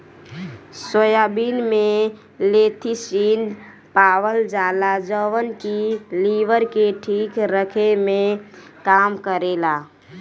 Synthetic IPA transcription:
səjaːbiːnmẽ | leːt̪ʰisiːn | paːwəld͡ʒaːlad͡ʒəwənkiliːʋəɾkeʈʰiːkɾəkʰemẽ | kaːmkəɾeːlaː

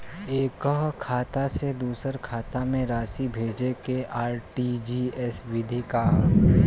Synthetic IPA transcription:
eːkəɦkʰaːt̪ased̪uːsəɾkʰaːt̪amẽɾaːsibʱeːd͡ʒekeʔaːɾʈid͡ʒiːɛswɪd̪ʱika

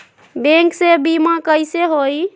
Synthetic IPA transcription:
bẽŋksebimakəjseɦoj

